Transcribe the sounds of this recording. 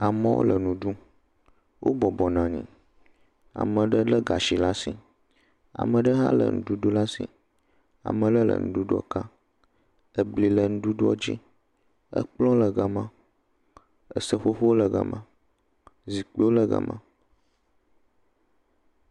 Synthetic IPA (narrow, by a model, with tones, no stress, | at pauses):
a˨mə̃˦wo̰˦lə˨nũ˨ɖu˦ | wʔo̰˦bɔ˨bɔ˨nã˨ɲḭ̃˨ | a̰˨mə̃˨ɖə˦lə˦ɡa˨ʃi˨la˦sḭ̃˨ | a̰˨mə̃˨ɖə˦ɦa̰˦lə̰˨ŋṵ̃˨ɖu˦ɖo˦la˦sḭ̃˨ | a̰˨mə̃˨ɖə˦lə̰˨ŋṵ̃˨ɖu˦ɖu˦ɔ̰˨ka˦ | ə˦bli˨lə˨nũ˦ɖu˦ɖo˦ɔ˦d͡ʑḭ˦ | ə̰˦k͡plɔ̃˦lə˨ɡa˨mã˦ | ə˨sə˦ɸo˦ɸo˦wo˦lə˨ɡə̰˨mʔã˦ | zi˨k͡pi˦wo˦lə˦ɡə̰˨mã̰˦